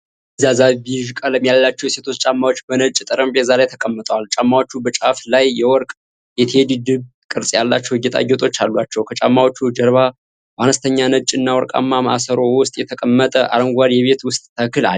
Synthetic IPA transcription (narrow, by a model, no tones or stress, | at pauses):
zazabiʒkʼələmjalːat͡ʃːɛwjɛse̞t̪ʰo̞t͡ʃːt͡ʃʼamːawot͡ʃːbənət͡ʃʼt̪ʼɨɾəmbɛzalajt̪ʰəkʼəmːət̪ʼəwalt͡ʃʼamːawot͡ʃːubət͡ʃʼaflajːɛwɔɾkʼ | jɛt̪ʰed̪ɨd̪ɨβ | kʼɨɾsʼjalːat͡ʃːɛwɪjːɛt̪ʰʼa̰ɡːɛt̪ʼo̞t͡ʃːalːuat͡ʃːɛwkʰət͡ʃʼamːawot͡ʃːud͡ʒəɾβa | bəʔanəst̪ʰəɲːanət͡ʃʼːɨnːawɔɾkʼa̰mːaməʔasəɾo̞wʊst̪ʼjɛt̪ʰəkʼəmːət̪ʼəʔa̰ɾəŋɡʷadjɛβe̞t̪wʊst̪ʼt̪ʰəkɨla̰